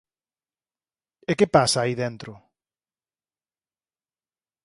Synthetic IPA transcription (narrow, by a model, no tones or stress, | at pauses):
ekepasaːiðent̪ɾʊ